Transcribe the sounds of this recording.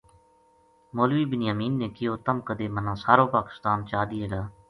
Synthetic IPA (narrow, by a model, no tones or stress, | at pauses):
moːlʋiːbɪnjaːmiːnːẽːkɪjoːt̪əmkəd̪eːmənãːsaːɾoːpaːkɪ̥st̪aːnt͡ʃaːd̪ieːlaː